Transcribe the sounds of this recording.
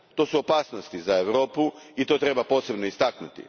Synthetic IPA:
t̪o̞ːsuopaːsno̞st̪izae̞ʋɾo̞ːpuit̪o̞t̪ɾe̞bapo̞ːse̞bno̞ist̪aknut̪ḭ

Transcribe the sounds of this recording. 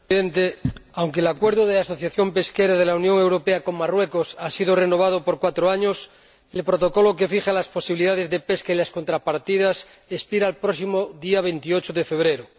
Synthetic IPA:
ent̪eawŋkelakwe̞ɾðoð̞easo̞θjaθjo̞mpe̞skeɾaðelaunjoŋe̞wɾopeako̞ŋmarwekosasiðoreno̞β̞að̞opoɾkwat̪ɾoaɲos | elpɾot̪oko̞lok̬e̞fiχalaspo̞siβiliðaðezðepeskailaskont̪ɾapaɾt̪iðas | espiɾaːlpɾosimoðiaβ̞e̞nt̪iot͡ʃoðefe̞βɾeɾo

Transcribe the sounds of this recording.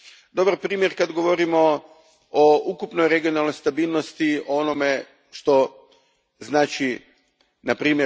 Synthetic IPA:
d̪o̞baɾpɾiːmjeɾkad̪ɡo̞ʋo̞ɾimo̞ | oukupnojɾe̞ɡijo̞nalˠno̞jst̪abiːlˠnost̪ioonome̞ | ʃt̪o̞ | znaːt͡ʃi | napɾiːmje

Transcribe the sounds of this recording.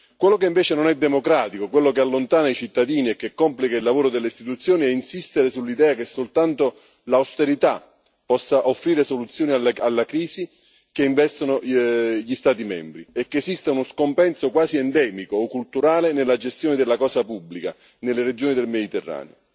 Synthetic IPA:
kwelːokeiɱveːt͡ʃenonɛd̪ːemokɾaːt̪ikokwelːokealːont̪aːnait͡ʃit̪ːad̪iːniɛkːekːɔmplikailːavoːɾod̪elːeist̪it̪ut̪sːjoːniɛinsist̪eɾesulːid̪ɛːakesːolt̪ant̪o | lawst̪eɾit̪a | pːɔsːaʔofːɾiːɾesolut̪sːjoːnialalːakɾiːsi | keiɱvɛst̪onoʎist̪aːt̪̬imɛ̰mbɾiɛkːeːsist̪aunoskompɛnsokwaːziɛnd̪ɛːmikoːkːult̪uɾaːlenelːad͡ʒest̪joːned̪elːakɔːsapubːlika̰ | nelːered͡ʒoːnid̪elmed̪it̪erːa̰ːnḛo̰

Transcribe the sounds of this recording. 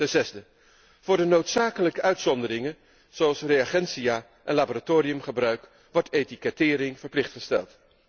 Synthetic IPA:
tɛnzɛzdə | v̥ʊːɹdənowtsaːkələkəʔœɥtsɔndəɾɪŋən | z̥oɑlˠsrejaχɛnsijaː | ʔɛnlaboːɾatoːɾijɵmχəbrœɥk | ʋɔɹtejtikɛtɪːɾɪŋvəɹplɪχtχəstɛ̰lˠt

